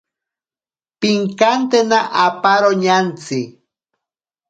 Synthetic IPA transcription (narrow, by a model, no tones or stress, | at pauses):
piŋkant̪enaʔapaɾoɲant͡si